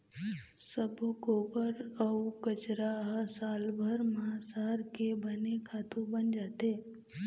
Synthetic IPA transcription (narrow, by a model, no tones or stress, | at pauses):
səbʱukobəɾəukət͡ʃɾaɦsalbʱəɾmãsaɾkebənekʰat̪ũbənd͡ʒat̪e